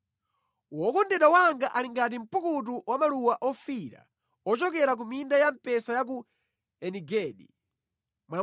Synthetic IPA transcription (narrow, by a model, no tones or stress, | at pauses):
wɔkɔndɛɗawaŋɡaʔaliŋɡatim̩pukut̬uwamaluwaʔɔfiɾa̰ | ɔt͡ʃɔkɛɾak̬umindajam̩pɛsajak̬u | ɛniɡɛːɗi | mwa